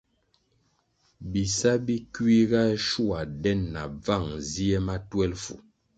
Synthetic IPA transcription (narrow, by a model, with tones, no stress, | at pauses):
bi˨sa˦bi˦ki˦ɣa˦ʃu˦a˨dɛ˦nːa˨b͡va˦˨ŋzi˦e˦ma˦twɛ˦lfṵ˨